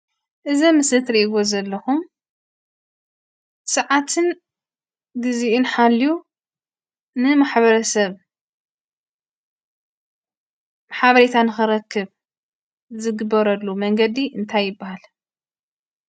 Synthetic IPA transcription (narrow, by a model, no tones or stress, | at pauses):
ʔɨzɐmɨsɨt̪ɾiʔiβozɐlːɐxum | sɐʕat̪ʰɨn | ɡɨziʔunħalːiju | nɨmaħβɐɾɐsɐβ | mħaβɐɾet̪ʰanɨxɨɾɐkʰːɨβ | zɨɡɨbːɐɾɐlːumɐŋɡɐd̪iʔɨnt̪ʰajːɪbːahal